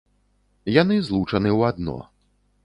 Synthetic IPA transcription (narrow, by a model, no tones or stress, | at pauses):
janɨzlˠut͡ʂɐnɨwad̪nɔ̰